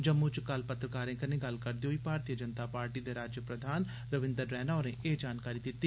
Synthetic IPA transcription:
d͡ʒəmːut͡ʃkəlpət̪ɾəkaːɾẽːkənẽɡəlkəɾd̪eoːipaːɾt̪iːəd͡ʒənt̪aːpaːɾʈiːd̪eːɾaːd͡ʒjəpɾəd̪ʱaːn | ɾəʋɪ̃nd̪əɾːɛːnaːɾẽːʔeːd͡ʒaːnkaːɾid̪ɪt̪ːiː

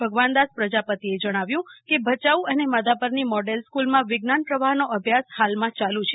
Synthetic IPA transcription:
bʱəɡʋand̪aspɾəd͡ʒapət̪ied͡ʒəɽ̃aʋjũkebʱət͡ʃauəneməd̪apəɾnimɔɖelskulmãʋɪɡnanpɾəʋaɦnoəbʱjashalmãt͡ʃalũt͡ʃʰe

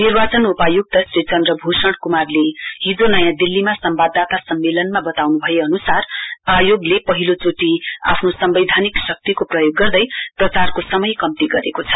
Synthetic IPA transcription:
nirbat͡sʌnupajuɡ̚t̪ʌsret͡sʌnd̪rʌbʱosʌɽ̃kumarleɦid͡zonʌjãd̪ilːimasʌmbad̪ːat̪asʌmːelʌnmabʌt̪awnubʱʌjeʌnusarajoɡlepʌɦilot͡soʈia̰pʰnosʌmbʌjd̪ʱaniksʌk̚t̪ikoprʌjoɡːʌrd̪ʌjprʌt͡sarkosʌmʌjkʌmt̪iɡʌɾekot͡sʰʌ̥

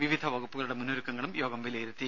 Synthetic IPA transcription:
ʋiʋid̪ʱɐʋɐɣupːuɣɐɭuɽe̞munːoɾukːɐŋːɐɭumjo̞ːɡɐmʋilejɾut̪ːi

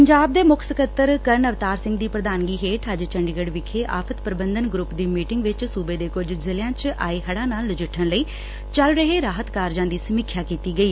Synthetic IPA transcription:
pəɲd͡ʒaːb̚d̪eːmʊkʰsəkət̪ːəɾkəɾnəʋt̪aːɾsɪ̃ŋɡd̪iːpɾəd̪aːnɡiːɦeːʈʰəd͡ʒt͡ʃəɳɖɪɡəɖʋɪkʰeːʔa̰ːpʰət̪pəɾəbə̃nd̪ənɡɾʊpd̪iːmiːʈɪŋɡʋɪt͡ʃsuːbeːd̪eːkʊd͡ʒzɪlɪjãːt͡ʃʔa̰ːeːɦəɽãːnaːlːd͡ʒɪʈʰənləiː | t͡ʃəlɾəɦeːɾaːɦət̪kaːɾd͡ʒãːd̪iːsəmɪkʰːjaːkiːt̪iːɡəiː

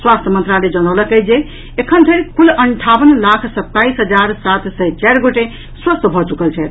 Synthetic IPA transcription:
swast̪ʰəmənt̪ɾaled͡ʒənaləkəd͡ʒe | ekʰənd̪ʱəɾikʰuləɳʈʰabənlakʰsət̪ːaisɦəd͡ʒaɾsat̪səjt͡ʃaɾɡoʈe | swəst̪bʱɔt͡ʃukəlt͡ʃʰɛt̪

